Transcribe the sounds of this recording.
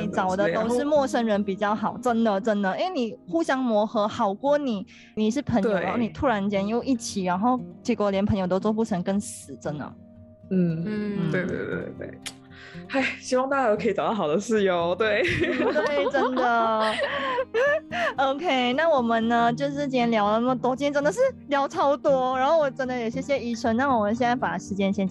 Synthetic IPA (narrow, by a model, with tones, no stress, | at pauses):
i˨˧˩t͡sɑ˨˩ʊd̪ə˧˦t̪o˥ʊʂɻ̩˥˧mwɔ˥˧ʂə˥ŋɻə˧˥npi˨˩t͡ɕjɑ˥˩ʊxɑ˨˩ʊʈ͡ʂə˦˥nd̪ə˨ʈ͡ʂə˥nd̪ə˨i˥nwe˥˩ni˨˩xu˥ɕjɑ˥ŋmwɔ˧˥xɤ˧˥xɑ˨˩ʊkwɔ˥˩ni˨˩˦ | ni˨˩ʂɻ̩˥˩pʰə˧˥ŋt̪jo˧˨˩ɻa˧˥˩ni˨˩t̪ʰu˥ɻa˧˥nt͡ɕjɛ˥njo˥˧ʊʔi˥˩t͡ɕʰi˨˩ɻa˧˥nxo˥˩ʊt͡ɕʰi˧˥kwɔ˧˥ljɛ˧˥npʰə˧ŋjo˨˩ʊt̪o˥ʊt͡swɔ˥˧p̬u˥˩ʈ͡ʂʰə˧˥ŋkə˥nsɹ̩˨˩ʈ͡ʂə˥˦nd̪ə̰˨ | n̩˥˩˥t̪we˥˧ɪt̪wḛ˥˩t̪wḛ˥˩t̪wḛ˥˩ | a˥˩ɪɕi˥wɑ˥˧ŋt̪a˥˩t͡ɕa˥˩o˧˥kʰi˨˩ʈ͡ʂɑ˨˩ʊt̪ɑ˥˩ɑ˨˩ʊd̪ə˦ʂɻ̩˥˩jo˧˩ʊt̪we˥˩ɪt̪we˥˩ʈ͡ʂə˥nd̪ə˨ | o˧ʊkʰe˥ɪna˥˩wɔ˨˩mə˨nnə˧t͡ɕjo˥˧ʊʂ̬ɻ̩˥˩t͡ɕi˥˩ɛ˥nljɑ˧˥ʊdə˧nə˥mə˨˩t̪wɔ˥t͡ɕjɛ˥nʈ͡ʂə˥nd̪ə˨˧ʂɻ̩˥˩ljɑ˧˥ʊʈ͡ʂʰɑ˥ʊt̪wɔ˥ɻa˧˥nxo˥˩ʊwɔ˨˩ʈ͡ʂə˥nd̪ə˨jo˨˩ʊɕjɛ˥ɕjɛ˥i˧˩ʈ͡ʂʰə˥nna˥˩wɔ˨˩mə˨˦nɕjɛ˥na˥˩pa˨˩ʂɻ̩˧˥t͡ɕjɛ˥˧nɕjɛ˥n